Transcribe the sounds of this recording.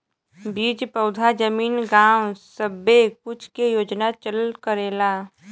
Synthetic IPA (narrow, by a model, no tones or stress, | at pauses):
biːd͡ʒpəʊd̪ʱad͡ʒəmiːnɡaːwsəbːekʊt͡ʃʰkejoːd͡ʒnat͡ʃəlkəɾeːlaː